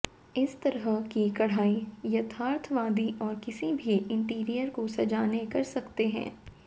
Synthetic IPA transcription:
ɪst̪ɐɾɦəkikɐɽ̤aːijɐt̪ʰaːɾt̪ʰʋaːd̪iʔɔːɾkɪsibʱiɪ̃ɳʈiːɾijəɾkosɐd͡ʒaːnekɐɾsɐkt̪eɦɛ̰̃ː

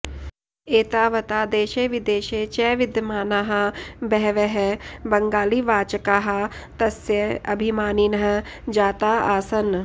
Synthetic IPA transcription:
eːt̪aːʋɐt̪aːd̪eːʃeʋɪd̪eːʃeːt͡ʃɛːʋɪd̪jəmaːnaɦɐbɛɦʋeɦebɐ̃ŋɡaːliʋaːt͡ʃkaːɦɐt̪ɐsjəɐbʱimaːninɐɦɐ | d͡ʒaːt̪aːaːsɐn

